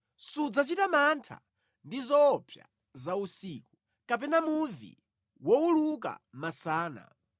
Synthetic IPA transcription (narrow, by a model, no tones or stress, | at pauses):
sud͡zat͡ʃitamantʰa̰ | ndizɔːpʰja̰ | zausiːku | kapɛnamuvḭ | wɔuluka̰masaːna̰